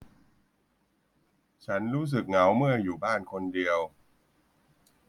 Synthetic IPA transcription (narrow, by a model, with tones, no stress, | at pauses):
t͡ɕʰa˦˥nɾuː˦˥s̬ɯ˨˩k̚ŋa˩˦wmɯ˥˩ɐjuː˨˩baː˥˩nkʰo˧ndi˧əw